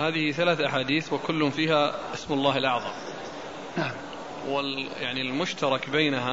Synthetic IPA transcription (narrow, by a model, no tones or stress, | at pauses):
haːðɪhiθalaːθʔaħaːd̪iːθwɪkʊlːʊmfiːhaʔɪsmʊlˤːɑːhɪlʔɑʕðˤɑm | a | wɪljaʕnilmʊʃt̪ɑɾˤɑkbaːnaɦa